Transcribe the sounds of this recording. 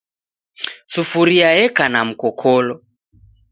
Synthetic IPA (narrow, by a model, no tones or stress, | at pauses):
sufuɾiajɛkanam̩kɔkʰɔlɔ